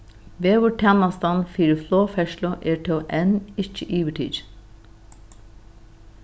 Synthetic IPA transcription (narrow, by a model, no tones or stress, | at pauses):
ʋeːʋʊʈʰɛnɑst̪ɑnfiːɾəfloːfɛʃlʊʔeːʈʰoːʔɛnɪçəʔyːʋəʈʰḭːɾ